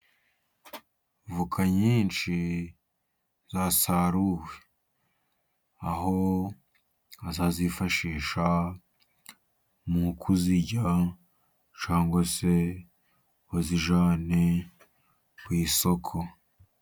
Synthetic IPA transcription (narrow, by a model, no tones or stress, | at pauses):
vukʰaɲiːnʃi | zasaɾuwe | aɦo̞ | azazifaʃiːʃa | mukʰuziɟa | ɲt͡ʃaːŋɡwase̞ | βaziʒaːne | kwiːso̞kʰo̞